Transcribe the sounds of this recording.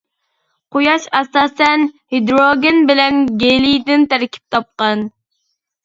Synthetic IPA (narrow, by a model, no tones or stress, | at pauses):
qʰojɑʃɛsɑːsɛnhid̪ɾoɡʲenbɪlɛnɡʲelijd̪ɪnt̪ʰæɾkʲʰi̥p̚t̪ʰɑp̚qɑn